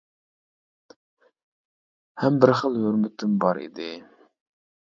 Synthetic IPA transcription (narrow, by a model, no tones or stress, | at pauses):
hɛmbɪɾχəlˠhøɾmɪt̪ʰɪmbɑɾḭd̪ɪ